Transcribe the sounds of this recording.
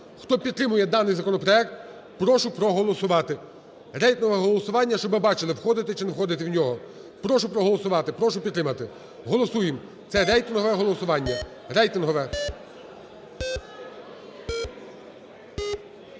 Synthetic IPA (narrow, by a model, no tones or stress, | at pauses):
xt̪ɔpʲid̪̚t̪ːɾɪmʊjɛd̪ɑnɪjzɐkɔnɔpɾɔɛkt̪̚ | pɾɔʃʊpɾɔɦɔlˠɔsʊʋɑt̪ɪ | ɾɛjt̪ɪnɦɔʋɛɦɔlˠɔsʊʋɑnʲːɐʃt͡ʃɔbɪbɑt͡ʃɪlˠɪwxɔd̪ɪt̪ɪt͡ʃɪnewxɔd̪ɪt̪ɪwnʲɔɦɔ | pɾɔʃʊpɾɔɦɔlˠɔsʊʋɑt̪ɪpɾɔʃʊpʲd̪t̪ːɾɪmɐt̪ɪ | ɦɔlˠɔsujɪm | t̪sɛɾɛjt̪ɪnɦɔʋɛɦɔlˠɔsʊʋɑnʲːɐ | rɛjt̪ɪnɦɔʋɛ